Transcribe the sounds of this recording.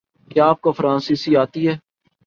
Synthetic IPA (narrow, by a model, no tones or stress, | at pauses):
kjaːaːp̚kofɾãːnsiːsiaːt̪iɦɛː